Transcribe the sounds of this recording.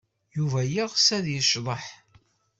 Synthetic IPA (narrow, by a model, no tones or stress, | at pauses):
juvæjiʁsæðjəʃðˤəħ